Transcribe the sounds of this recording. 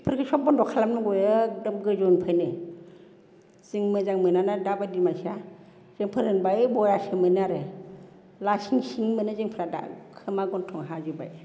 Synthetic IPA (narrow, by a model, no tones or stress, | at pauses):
pʰɯɾkʰɯsɔp̚bɔndɔkʰalamnɯɡɔjɯdɯmɡɯzɔnpʰajnɯ | z̥iŋmɯzaŋmɯnanadabajdimajsa | zeŋpʰɯɾɯnbajbɔjasɯmɯnaɾɯ | lasiŋsiŋmɯnɯzeŋpʰɾada̰kʰɯmaɡɔntʰɔŋɦazuba̰j